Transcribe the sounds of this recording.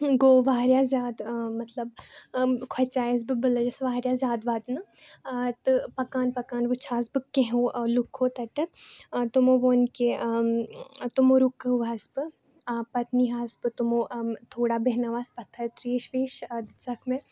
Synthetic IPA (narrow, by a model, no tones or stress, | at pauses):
ɡoːʋaːɾjaːzʲaːd̪mɐt̪lɐb | kʰwɐt͡saːjɐs̬bɨbɨlɐd͡ʒɐsʋaːɾjaːzʲaːd̪ʋaːd̪nɨ | t̪ɨpɐkaːnpɐkaːnʋɨt͡ʃʰaːsbɨkẽɦõːlukʰːoːt̪ɐʈɐt̪t̪umoːʋoːnke | t̪umoɾukːɐʋaːsbɨ | pɐt̪niɦaːsbɨt̪umoːt̪ʰoːɽaːbɐɦnaʋaːspɐt̪ʰːɐt̪ɾeːʃʋeːʃzɐkʰmẽ